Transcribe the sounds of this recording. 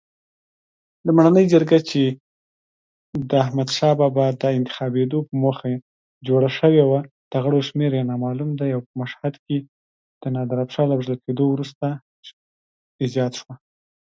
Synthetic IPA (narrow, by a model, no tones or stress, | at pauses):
d̪əmaɽanəjd͡ʒəɾɡat͡ʃe | d̪əahmad̪ʃɑbɑbad̪əɪnt̪ɪ̥xɑbed̪opəmoxa | d͡ʒoɽaʃəwewad̪̥əɣəɽoʃmeɾjenɑmɑlumd̪ajawpəmaʃhad̪ke | d̪̥ənɑd̪aɾapʃɑlabʒlalked̪owɾust̪a | id͡ʒɑt̪ʃwa